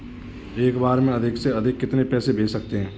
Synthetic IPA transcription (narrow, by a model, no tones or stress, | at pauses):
eːkbaːɾmẽɐd̪ʱɪkseɐd̪ʱɪkːɪt̪nepɛːsebʱeːt͡ʃsɐkt̪eɦɛ̃ː